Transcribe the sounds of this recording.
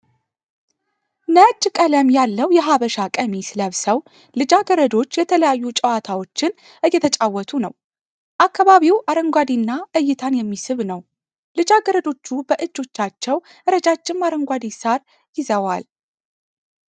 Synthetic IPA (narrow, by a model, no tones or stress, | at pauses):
nət͡ʃːkʼələmjalːəwjɛɦaβəʃakʼəmisɨləβsəw | lɨd͡ʒaɡəɾəd̪o̞t͡ʃːjɛt̪ʰələjajːut͡ʃʼəwat̪ʰawo̞t͡ʃːɪn | ʔɨjːɛt̪ʰət͡ʃʼawːɔt̪ʰunə̰w | ʔakːaβaβiwʔaɾəŋɡʷad̪inːaʔɨjːɪt̪ʰanjɛmːisɨβnəw | lɨd͡ʒaɡəɾəd̪o̞t͡ʃːubəʔɨd͡ʒːo̞t͡ʃːat͡ʃːɛw | ʔɨɾəd͡ʒat͡ʃːɪmːaɾəŋɡʷad̪isaɾ | jɪzəwal